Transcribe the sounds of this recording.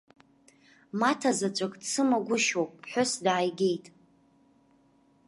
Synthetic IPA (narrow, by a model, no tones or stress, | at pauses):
matʰazat͡ʃʷʼakʼt͡sʰɨmaɡʷʊʃowpʼħʷʊsdaːjɡʲe̞jtʼ